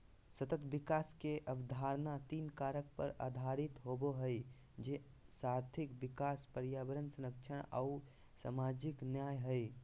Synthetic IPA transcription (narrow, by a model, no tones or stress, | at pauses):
sət̪ət̪bɪkaːskeʔəbd̪ʱaɾnat̪iːnkaɾək̚pə̰ɾa̰ːd̪ʱaɾɪt̪ɦoboɦəɪ | d͡ʒe | saɾt̪ʰikbɪkaːspəɾjaːbəɾənsəɾəkt͡ʃʰəɽ̃a̰ | sa̰mad͡ʒɪknjaːjɦəɪ